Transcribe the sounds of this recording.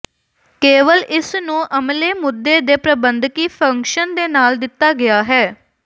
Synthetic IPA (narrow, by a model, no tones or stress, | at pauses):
keːʋəlɪsnũːʔəmleːmʊd̪ːeːd̪eːpɾəbənd̪kiːpʰəŋkʃənd̪eːnaːld̪ɪt̪ːaːɡɪaːɦɛː